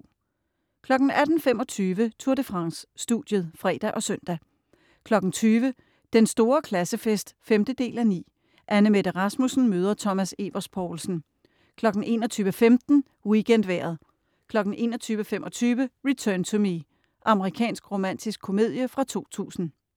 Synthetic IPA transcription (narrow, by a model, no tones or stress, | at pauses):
kʰlɒ̽ɡ̥n̩æd̥n̩fem̰ɒ̽t͡sʰyːʋət͡sʰuɐɾəfʁɑ̈ŋsːd̥ṵd̥jəð̞̩ˠfʁɛ̰d̥æʔɒ̽sœn̰d̥æ | kʰlɒ̽ɡ̥n̩t͡sʰyːʋə | d̥ensd̥o̝ːɐkʰlæsəfesd̥femd̥əd̥e̝̰ːlænḭː | ʔænəmed̥əʁɑ̈smusn̩møːð̞ˠɐt͡sʰɒ̽mæse̝ʋɐspʰɒʊlsn̩ | kʰlɒ̽ɡ̥n̩ʔe̝̰ːnɒt͡sʰyːʋəfemd̥n̩ | wiɡ̥en̰d̥ʋæɐ̰ð̞̩ˠ | kʰlɒ̽ɡ̥n̩ʔe̝̰ːnɒ̽t͡sʰyːʋəfemʔɒ̽t͡sʰyːʋəʁit͡sʰœːnt͡sʰumi | ʔɑ̈məʁikʰɛ̰ːnsɡ̥ʁo̝mæn̰d̥isɡ̥ʰo̝me̝ð̰ˠjəfʁɑ̈t͡sʰo̝̰ːt͡sʰṵːsn̩